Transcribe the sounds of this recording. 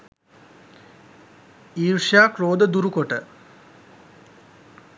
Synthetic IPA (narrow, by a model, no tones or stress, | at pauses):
iːɾʂaːkroːd̪əd̪uɾukoʈə